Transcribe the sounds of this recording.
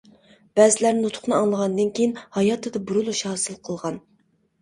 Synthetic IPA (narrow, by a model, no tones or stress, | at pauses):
b̥æzɪlæɾnɪnut̪ʰʊ̥χnɨɑŋlˠəʁɑnd̪ɨnkʲʰejinhɑjɑt̪ʰːɨd̪ɑbuɾulˠuʃhɑːsɨlˠqʰəlˠʁɑn